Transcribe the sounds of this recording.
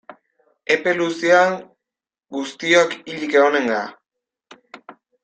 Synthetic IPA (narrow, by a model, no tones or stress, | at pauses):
e̞pe̞lusiaŋ | ɡust̪iokiʎikeone̞ŋɡa